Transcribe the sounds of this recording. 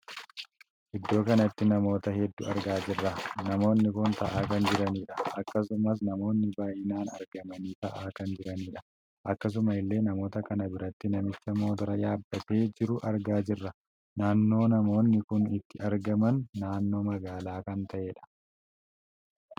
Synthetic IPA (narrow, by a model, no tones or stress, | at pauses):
ʔɪd̪ːo̞ːkɐnɐɪt̪ːɪnɐmo̞ːt̪ɐhɛd̪ːʊɐɾɡaːd͡ʒɪrːɐnɐmo̞ːnːɪkʊnt̪ɐʔaːkɐnd͡ʒɪɾɐniːᶑɐ̥ʔɐkːɐsʊmɐs̬nɐmo̞ːnːɪbaːjɪnaːnɐ̰ɾɡɐmɐniːt̪ɐʔaːkɐnd͡ʒɪɾɐniːᶑɐ̥ | ʔɐkːɐs̬ʊmɐɪlːe̞ːnɐmo̞ːt̪ɐkɐnɐbɪɾɐt̪ːɪnɐmɪt͡ʃːɐmo̞ːt̪ɐɾɐjaːd̪ːɐt̪e̞ːd͡ʒɪɾʊʔɐɾɡaːd͡ʒɪrːɐ | naːnːo̞ːnɐmo̞ːnːɪkʊnɪt̪ːɪɐɾɡɐmɐnːaːnːo̞ːmɐɡaːlaːkɐnt̪ʰɐʔe̞ːᶑɐ̥